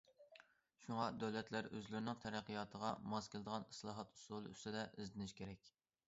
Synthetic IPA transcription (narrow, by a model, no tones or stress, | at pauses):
ʃuŋɑd̪ɛwlɛt̪ʰlæɾøzlɪɾɪnɪŋt̪ʰɛɾæqːijɑːt̪ʰəʁɑmɑskʲɪlˠɨd̪əʁɑnɨslˠɑːɦɑt̪u̥sulˠɨy̰st̪ɪd̪ɛʔɪzlɪnɪʃkʲeɾɛkʲ